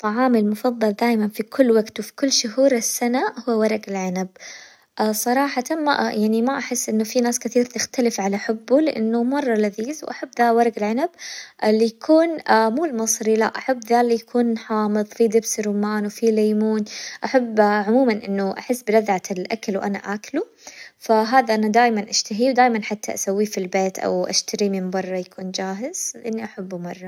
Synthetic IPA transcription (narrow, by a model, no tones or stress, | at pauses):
t̪ˤːɑʕɑːmɪlmʊfɑðˤːɑld̪aːjmanfikʰʊlːwaɡt̪wfi̥kʊlːʃʊɦuːɾɪsːanahʊwːwɑɾˤɑɡɪlʕɪnab̚ | ʔsˤɑɾˤɑːħɑt̪amaʔjaʕnimaʔaħɪsːʔɪnːʊfinaːskɪθiːɾt̪ɪxt̪alɪfʕalaħʊbːulɪʔɪ̰nːʊmɑrˤːɑlaðiːzwʔaħabːðawɑɾˤɑɡɪlʕanabʔɪlːijakʰuːnmuːlmɨsˤɾila̰ʔaħabːðalːijakʰuːnħɑːmɨðˤfid̪ɪbsɾumaːnwfilajmuːnʔaħabːʕʊmuːmanʔɪnːʊʔaħɪsːbɪlaðʕaɪlʔa̰kalwʔana̰ʔaklu | faɦaːðaʔanad̪aːjmanʔaʃt̪aɦiwd̪aːjmanħat̪ʰːaʔasawːifilbeːt̪ʔa̰wʔa̰ʃt̪aɾimɪmbɑrˤːɑjakʰuːnd͡ʒaːɦɪz̥lɪʔɪnːiʔaħabːumɑrˤːɑ